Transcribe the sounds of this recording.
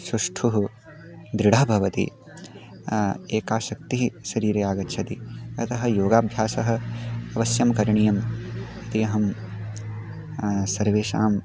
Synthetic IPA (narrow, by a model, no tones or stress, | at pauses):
sɾuʂʈʰuɦu | d̪ɾiɽɐbʱɐʋɐt̪ḭ | eːkaːʃɐk̚t̪iɦʃɐɾiːɾejaːɡɐtːʃʰɐt̪iɐt̪ʰɐɦɐ̆joːɡaːbʱjaːsɐɦɐ̆ɐʋɐsjɐmkɐɾɐɳijɐm | it̪ijɐɦɐm | sɐɾʋeːʃaːm